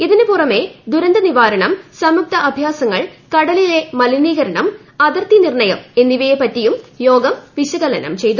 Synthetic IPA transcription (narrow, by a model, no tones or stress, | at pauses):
iðinɨpurɐme̞d̪uɾɐnd̪ɐniʋaːɾɐɳɐmsɐmuk̚t̪ɐʔɐbʱjaːsɐŋːɐɭkɐɽɐlile̞mɐliniːɣɐɾɐɳɐm | ɐðɐrt̪inirɳɐjɐme̞nːiʋɐjepːɐtːijumjo̞ːɡɐmʋiɕɐɣɐlɐnɐ̰mt͡ɕe̞jt̪u